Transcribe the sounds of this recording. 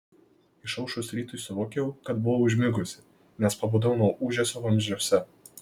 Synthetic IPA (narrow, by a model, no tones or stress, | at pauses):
ɪʃɐʊʃʊsɾʲiːt̪ʊsʲʊʋoːkʲjɛʊkɐt̪bʊʋoʊʒʲmʲɪɡʊsʲɪ̥ | nʲɛspɐboːd̪ɐʊnoːʔuːʒʲɛsʲoːʋɐmʲʒʲoːsʲɛ